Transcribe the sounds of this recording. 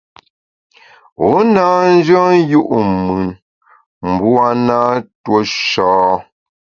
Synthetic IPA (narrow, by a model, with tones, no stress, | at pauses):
o˨˦na˦n̩˦d͡ʒɔ˦ju˦ʔmʉ˨n | m̩˨bu˦a˦na˦two˦ʃɔː˨˦